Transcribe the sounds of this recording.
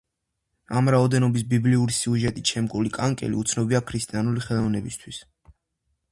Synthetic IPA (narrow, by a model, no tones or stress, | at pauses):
amɾaɔd̪ɛnɔbis̬bibliuɾisiuʒɛt̪ʼiʃʰɛmkʼulikʼaŋkʼɛ̰lḭut̪sʰnɔbiakʰɾist̪ʼianuliχɛlˠɔvnɛbist̪ʰwis